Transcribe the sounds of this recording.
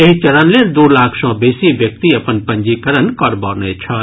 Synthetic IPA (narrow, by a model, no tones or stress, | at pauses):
eɦit͡ʃɐɾaːnleːɾd̪oːlaːkʰsɔ̃ːbeːsĩːʋjɐk̚t̪iɐpənpɐ̃ɲd͡ʒiːkɐɾənkɐɾbɔːɾneːt͡ʃʰɐ